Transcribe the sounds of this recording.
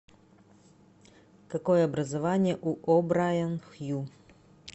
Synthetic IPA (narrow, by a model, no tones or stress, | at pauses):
kɐkojəɐbɾɐzɐvanʲɪjəʔuʔobɾajanxju